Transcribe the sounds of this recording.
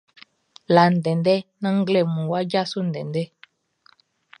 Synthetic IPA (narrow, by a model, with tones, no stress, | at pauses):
la˨n̩˨dɛ˨ndɛ˦nã˦ŋ˦ɡlɛ˦˨mũ˨wa˦d͡ʒa˦so˦n̩˨dɛ̃˨ndɛ˦